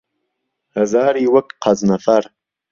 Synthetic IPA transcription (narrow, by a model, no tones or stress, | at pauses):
hɐzaːɾiwɐkqʰɑznɐfɐɾ